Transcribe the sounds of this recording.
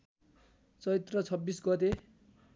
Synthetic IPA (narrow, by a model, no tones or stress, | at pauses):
t͡sʌit̪rʌt͡sʰʌbːisɡʌt̪̬e